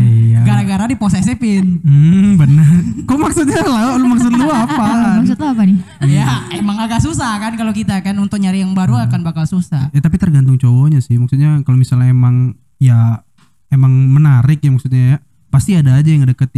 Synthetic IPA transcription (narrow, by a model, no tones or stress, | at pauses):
iaɡaɾaɡaɾadiposasepɪnm̩bənərkomaksut̪̚ɲalalumaksʊt̪̚luapamaksʊt̪luapanɪ | ijaemaŋakas̬usahkankalokit̪akanunt̪ʊk̚ɲaɾijaŋbaɾuakanbakalsusajat̪apit̪ərɡant̪̬ʊŋt͡ʃowoɲasɪhmak̚sut̪̚ɲakalomisalɲaemaŋ | ja | emaŋmənaɾɪk̚jamaksut̪̚ɲaja | past̪iadaːd͡ʒajaŋadakət̪ɪ